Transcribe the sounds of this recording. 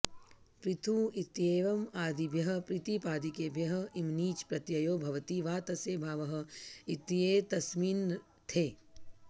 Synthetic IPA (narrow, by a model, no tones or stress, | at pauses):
pɾit̪ʰuːit̪jeːʋɐmaːd̪ʱibʱjɐɦɐ̆pɾit̪ipaːd̪ikeːbʱjɐɦɐ̆imniːt͡ʃpɾɐt̪jɐjoːbʱɐʋɐt̪iʋaːt̪ɐseːbʱaːʋɐɦɐ̆it̪jeːt̪ɐsmiːn | t̪ʰeː